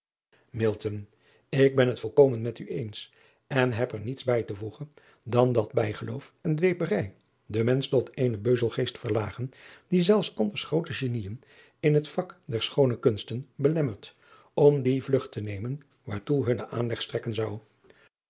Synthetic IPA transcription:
mɪlˠtən | ɪɡ̚bɛnɦətfɔlˠkowmənmɛtyejns | ɛnɦɛpəɹnitzbɛjtəvuχən | dɑndɑd̚bɛjχəlowfɛndʋejpərɛj | dəmɛnstɔtʰejnəbøɥzəlˠχejstfəɹlaːχəndizɛlˠfsɑndəɹsχrowtəʒenijən | ɪnɦətfɑkdɛɹsχownəkɵnstənbəlɛməɹt | ʔɔmdivlɵχtənejmən | ʋaːɹtuɦɵnəʔaːnlɛχstrɛkənzɑw

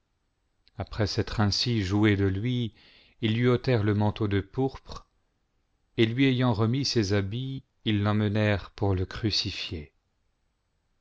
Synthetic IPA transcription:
apχɛsɛt̪χɛ̃siʒued̪əlɥi | ilːɥiot̪ɛʁləmɑ̃t̪od̪əpuʁpχ | elɥiejɑ̃ʁəmisezabiː | lːɑ̃mənɛʁpuʁləkχysifje

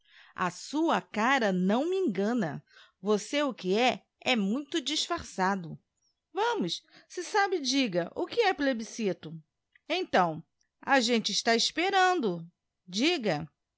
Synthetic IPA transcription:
ɐ̰suɐkaɾɐnɐ̃w̃mɪẽɡɐ̃nɐ̰ | voseʊkɪɛ | ɛmũj̃t̪ʊd͡ʒisfaɾsad̪ʊ | vɐ̃mʊssɪsabɪd͡ʒiɡɐʔʊkɪɛplebisit̪ʊ | ẽt̪ɐ̃w̃ | aʒẽnt͡ʃɪɪʃt̪aɪspeɾɐ̃nd̪ʊ | d͡ʒiɡɐ

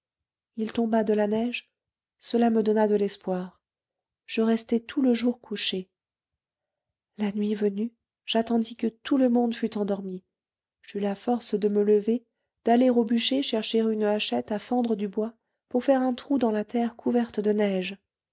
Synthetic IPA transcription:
ilt̪ɔ̃bad̪əlanɛʒ | səlaməd̪ɔnad̪əlɛspwaʁ | ʒ̥əʁɛst̪ɛt̪ʰuləʒuʁkʰuʃe | lanɥivəny | ʒ̥at̪ɑ̃d̪ikət̪ʰuləmɔ̃d̪fyt̪ɑ̃d̪ɔʁmi | ʒ̥ylafɔʁsd̪əmələve | d̪̥aleʁobyʃeʃɛʁʃeʁynaʃɛt̪afɑ̃d̪ʁəd̪ybwa | puʁfɛʁɛ̃t̪χud̪ɑ̃lat̪ɛʁkʰuvɛʁt̪d̪ənɛʒ

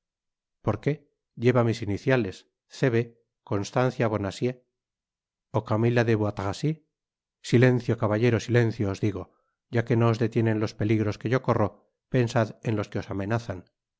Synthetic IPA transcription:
po̞ɾke̞ | ʝe̞βamisiniθjale̞s | θe̞βe̞ | ko̞nst̪an̟θjaβ̞o̞nasje̞ | okamilaðeβwat̪ɣasi | sile̞n̟θjokaβaʝe̞ɾosile̞n̟θjoːzðiɣ̞o̞ | ɟ͡ʝake̞no̞ːzðe̞t̪je̞ne̞nlo̞spe̞liɣɾo̞ske̞ʝo̞ko̞ro̞ | pe̞nsaðe̞nlo̞ske̞o̞samẽ̞naθan

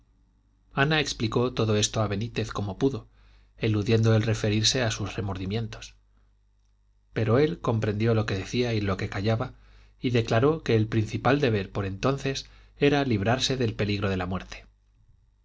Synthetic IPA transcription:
anaekspliko̞t̪o̞ðo̞est̪oaβe̞nit̪e̞θko̞mo̞puðo̞ | eluðje̞nd̪oelre̞fe̞ɾiɾse̞asusre̞mo̞ɾðimje̞nt̪o̞̥s | pe̞ɾo̞e̞lko̞mpɾe̞nd̪jo̞lo̞ke̞ðe̞θiailo̞ke̞kaʝaβa | iðe̞klaɾo̞ke̞ːlpɾinθipald̪e̞βe̞ɾpo̞ɾe̞nt̪o̞nθe̞s | e̞ɾaliβ̞ɾaɾse̞ðe̞lpe̞liɣɾo̞ð̞e̞lamwe̞ɾt̪ʰe̥

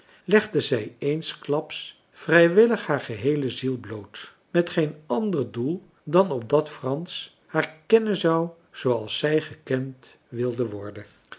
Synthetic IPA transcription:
lɛχdəzɛjejnsklɑps | frɛjʋɪləχɦaːɹχəɦejləzilˠblowt | mɛtχejnɑndərdulˠ | dɑnɔp̚dɑtfrɑns | haːɹkɛnənzɑw | z̥owɑlˠsːɛjχəkɛnt | ʋɪlˠdənʋɔɹdən

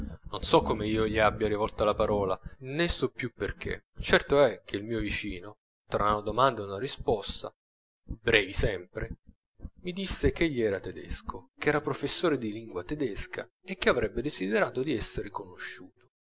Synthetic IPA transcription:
nonsɔkːomeiːoʎiabːjaɾivɔlt̪alapaɾɔːlanesɔpːjupːerk̟ʰḛ | t͡ʃɛrt̪oɛk̟ːeilmiːovit͡ʃiːno | t̪ɾanod̪omand̪aunaɾispɔst̪a̰ | bɾɛːvisɛmpɾe | mid̪isːek̟eʎːiɛːɾat̪ed̪ɛ̰skʰokɛːɾapɾofesːoːɾed̪iliŋɡwat̪ed̪ɛskʰa̰ | ek̟ːeavɾɛbːed̪esid̪eɾaːt̪od̪iɛsːeɾekonoʃːuːt̪o̥

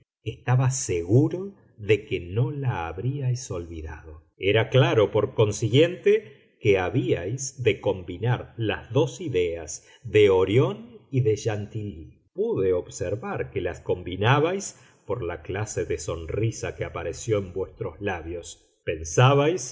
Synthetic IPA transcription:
est̪aβaseɣuɾo̞ | ðe̞keno̞laːβɾiajso̞lβiða̰ðo̞ | eɾaklaɾopoɾko̞nsiɣje̞nt̪e | keaβiajsðeko̞mbinaɾlazðo̞siðeaz | ðeoɾjo̞niðeʒant̪ili | puðeoβseɾβaɾkelasko̞mbinaβajs | poɾlaklaseðeso̞nrisakeapaɾesjo̞embwest̪ɾo̞zlaβjo̞s | pe̞nsaβajs

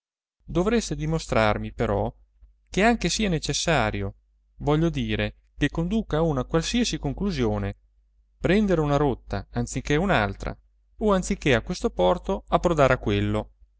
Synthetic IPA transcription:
d̪ovɾest̪ed̪imost̪ɾarmipeɾɔ | keaŋk̟esiːanet͡ʃesːaːɾjo | vɔʎːod̪iːɾe | kekːond̪uːkaunakwalsiasikoŋkluzjoːne | pɾɛnd̪eɾunaɾot̪ːa̰ant̪sikːeunalt̪ɾa̰ | oant̪sikːeakwest̪opɔrt̪oapːɾod̪aːɾakwelːo

